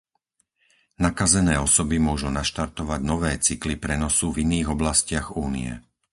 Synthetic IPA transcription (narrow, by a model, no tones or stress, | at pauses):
nakazɛnɛːɔsɔbimʊɔʒunaʃt̪aɾt̪ɔʋaɟnɔʋɛːt͡siklipɾɛnɔsuviniːɣɔblascɪaɣuːnḭɛ̰